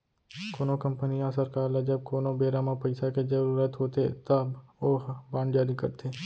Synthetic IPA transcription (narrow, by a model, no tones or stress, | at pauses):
koːnõkə̃mpənijãsɐɾkaːɾlad͡ʒəb̚koːnõbeːɾaːmãpɐɪsaked͡ʒɐɾuːɾət̪ɦoːt̪et̪ɐboːɦbãːɳɖd͡ʒaːɾikɐ̰ɾt̪ʰeː